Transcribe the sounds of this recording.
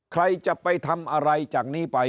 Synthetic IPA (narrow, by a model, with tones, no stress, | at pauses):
kʰɾa˧jt͡ɕa˨˩pa˧jt̪ʰa˧mʔa˧ɾa˧jt͡ɕaː˨˩k̚niː˥˩pa˧